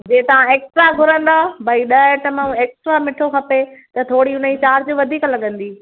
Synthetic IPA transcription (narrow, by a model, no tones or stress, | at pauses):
d͡ʑeːt̪ɐʋ̤ãeːksʈɾaɡʱʊɾə̃nd̪abʱɐiɗɐʈɐməũeːksʈɾamɪʈʰokʰɐpett̪ɐt̪ʰoːɽiʊnəit͡ɕaːɾd͡ʑoʋɐd̪ʱiːklɐɠə̃nd̪iː